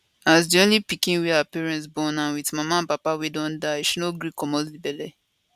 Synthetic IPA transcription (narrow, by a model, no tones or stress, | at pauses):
as̬diõnlipikĩnwiapɛɹɛ̃ntsbɔ̃nãnwitmamãpapawedɔ̃ndaʃunoɡɹikɔmɔslibɛlɛ